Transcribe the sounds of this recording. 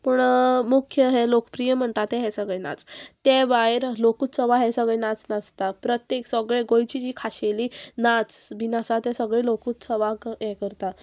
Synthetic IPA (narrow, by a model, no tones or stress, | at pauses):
pəɳmukʰjəɦelokəpɾijəm̤əɳʈat̪ɛɦɛsəɡɭena̰t͡st̪ɛʋajɾlokuːt̪səʋaɦɛsəɡɭenat͡snast̪apɾət̪jeksəɡɭeɡojt͡ɕid͡ʑiːkʰaɕeliːnat͡sʋinasat̪ɛ̃səɡɭelokut̪səʋakjɛkəɾt̪a